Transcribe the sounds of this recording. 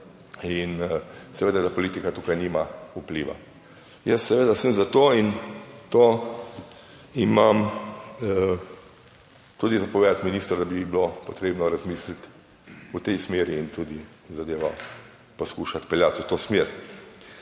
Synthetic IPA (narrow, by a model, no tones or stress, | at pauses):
insɛʋeːd̪ad̪apɔliːt̪ikat̪uːkajnimaupliːʋa̰ | jəsːɛʋeːd̪asəmzat̪oːint̪oː | imam | t̪uːd̪izapɔʋed̪at̪minist̪ɾd̪abibilopɔt̪ɾeːbnɔɾazmiːslit̪ | ut̪ɛjsmeːɾiːnt̪uːd̪i | zad̪eːʋa | poskuːʃat̪pɛljat̪ut̪oːsmeːɾ